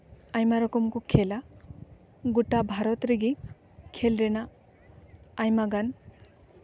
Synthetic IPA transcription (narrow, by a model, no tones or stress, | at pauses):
ajmaɾɔkumkukʰela | ɡuʈabʱaɾɔt̪ɾiɡi | kʰelɾena | jmaɡan